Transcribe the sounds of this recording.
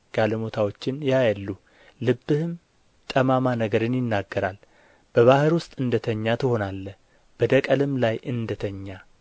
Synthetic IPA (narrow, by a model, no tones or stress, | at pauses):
ɡ̥aləmo̞t̪ʰawo̞t͡ʃːɪnjajalːu | lɨbːɨhɨm | t̪ʼəmamanəɡəɾɨnjɪnːaɡːəɾal | b̥əβahɨɾwʊst̪ʼɨnd̪ət̪ʰəɲːat̪ʰɨho̞nalːə | b̥əd̪əkʼəlɨmlajʔɨnd̪ət̪ʰəɲːa